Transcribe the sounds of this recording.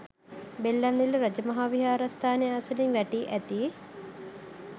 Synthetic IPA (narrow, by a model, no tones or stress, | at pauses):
belːaniluɾɐd͡ʒəmɐɦaːʋiɦaːɾast̪ʰaːneaːsəliŋʋæʈiːʔæt̪i